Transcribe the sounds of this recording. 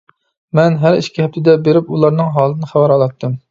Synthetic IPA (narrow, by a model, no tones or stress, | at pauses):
mɛnɦæɾḭʃkʲiɛp̚t̪ʰɪd̪ɛbeɾɪpulˠɑɾnɨŋɦɑːlˠnɨχæwæɾɑlˠɑt̪ʰːɨm